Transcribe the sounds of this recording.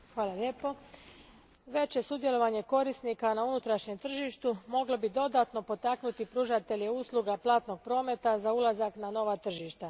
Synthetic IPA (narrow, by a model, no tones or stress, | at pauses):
xʋaːlˠalʲje̞ːpo̞ | ʋe̞t͡ɕje̞sud̪je̞lo̞ʋaɲeko̞ɾisnikanaunut̪ɾaʃɲe̞mt̪r̩ʒiʃt̪umo̞ɡlobid̪o̞d̪aːt̪no̞po̞t̪aknut̪ipɾuːʒat̪e̞ʎeuːslˠuɡaplˠaːt̪no̞ɡ̚pɾo̞ːme̞t̪azaulazaknano̞ʋat̪r̩ʒiʃt̪a